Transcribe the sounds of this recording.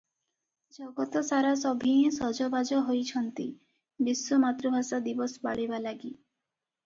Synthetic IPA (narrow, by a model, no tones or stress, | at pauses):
d͡ʒɔɡɔt̪ɔsaɾasɔbʱĩsɔd͡ʒɔbad͡ʒɔɦojt͡ʃʰɔnt̪i | bisːɔmat̪ɾɔbʱasad̪ibɔsba̰ɭibalaɡi